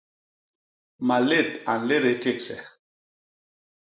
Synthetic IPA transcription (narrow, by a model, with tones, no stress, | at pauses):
ma˨le˦˨t̚a˨n˨le˦ɾe˨˦ke˦˨ksɛ̰˨